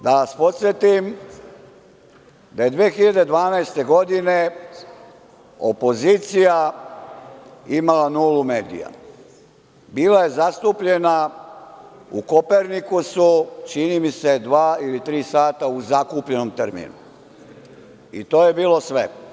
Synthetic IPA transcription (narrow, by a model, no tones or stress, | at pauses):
d̪aʋaspo̞t̪sje̞t̪im | d̪aje̞d̪ʋeːxiʎad̪e̞d̪ʋaːnaest̪e̞ɡo̞d̪ine̞ | o̞po̞ziːt̪sija | imalanuːlume̞ːd̪ḭja̰ | biːlajezast̪uːpʎe̞na | ṵko̞peɾnikusut͡ʃinimise̞d̪ʋaːilit̪ɾiːsaːt̪auzakuːpʎe̞nomt̪ɾmḭːnṵ | ḭt̪oːje̞biːlo̞sʋḛ